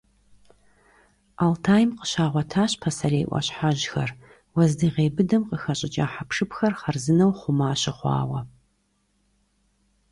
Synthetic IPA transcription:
altʰaːjmqə̥ɕaːʁʷɔtʰaːɕpʰɐsɐɾeːʔʷɐ̰ɕħaʑxɐr | wɐzdɨʁeːbɨdɐmqəxɐɕʼɪt͡ʃʼaːħapʰʂɨpxɐrχɐrzɨnɐwχʷʊmaːɕɪχʷɑ̰ːwɐ

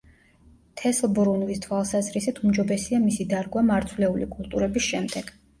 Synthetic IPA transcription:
t̪ʰɛsbɾunvist̪ʰwalˠsazɾisit̪ʰumd͡ʒɔbɛsiamisid̪aɾɡwamaɾt̪sʰwlɛulḭkʼulˠt̪ʼuɾɛbisʃɛmd̪ɛɡ̥

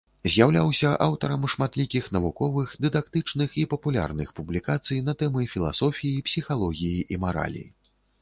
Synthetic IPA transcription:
zʲjawlʲawsʲɐʔawt̪ɐɾɐmʂmat̪lʲikʲixn̪ɐvukɔvɨxd̪ɨd̪akt̪ɨt͡ʂnɨxipɐpulʲa̰rnɨxpublʲikat̪sɨjnɐt̪ɛmɨfʲilˠa̰sɔfʲijipsʲixalˠɔɣʲijiʔimaɾa̰lʲḭ

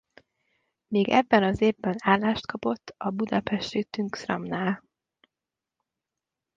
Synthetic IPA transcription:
miːɡɛ̰bːɛnɒzeːvbɛnaːlːaːʃt̪kɒpo̞t̪ːɒbud̪ɒpɛʃt̪it̪yŋksrɒ̰mnaːl

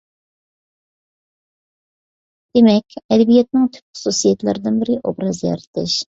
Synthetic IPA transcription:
d̪̥emɛkʲɛd̪ɛbijɛt̪nɪŋt̪ʰy̥pχʊ̥susijɛt̪lɪ̰ɾɪd̪ɪnbɪɾɪʔobɾɑzjɛ̰ɾɪt̪ʰɪ̰ʃ

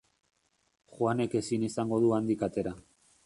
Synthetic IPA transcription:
χwane̞ke̞sinisaŋɡo̞ð̞uand̪ikat̪e̞ɾa

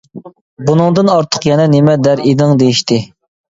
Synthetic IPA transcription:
bunɨŋd̪ɨnɑɾt̪ʰə̥qjɛnɛnemɛd̪æɾid̪ɪŋd̪ejiʃt̪ɪ

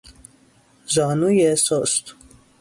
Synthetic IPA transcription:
zanujɛsɔst̪

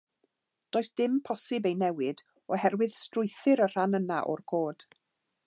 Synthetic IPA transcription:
d̥oːɨsd̥ɪmpʰɔsɨbejnɛwɪd | ɔhɛrwɨð̥strʊjθɨɾər̥anənaʔɔ̰rkʰoːd̥

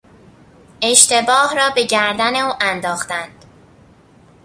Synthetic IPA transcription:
ʔe̞ʃt̪e̞bɒːhrɒːbe̞ɟæɾd̪æne̞uːʔænd̪ɒːxt̪ænd̪̥

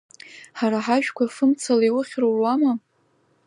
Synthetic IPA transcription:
ħaɾaħaʒᶣkʷʰafɨmt͡sʰalaiwʊχʲrowrwama

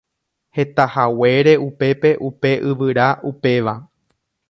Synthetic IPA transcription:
he̞t̪ahawe̞ɾe̞upe̞pe̞ʔupe̞ʔɨʋɨɾaʔupe̞ʋa

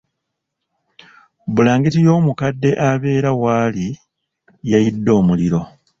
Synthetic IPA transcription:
bulaːŋɡitijo̞ːmukadːe̞ʔaβe̞ːɾawaːli | jajidːo̞ːmuliɾo̞

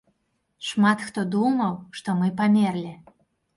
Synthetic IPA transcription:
ʂmat̪xt̪ɔd̪umɐwʂt̪ɔmɨpamʲerlʲi

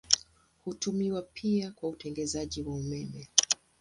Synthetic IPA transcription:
hutumiwapʰiakwautɛŋɡɛzaʄiwaumɛmɛ

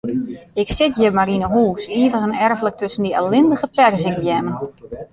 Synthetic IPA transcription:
ɪksɪtjəmaɾinəɦuːsiːəvəɣənɛrvələk̚tøsən̩diɛlɪndəɣəpɛrəzɪŋbjɛmən

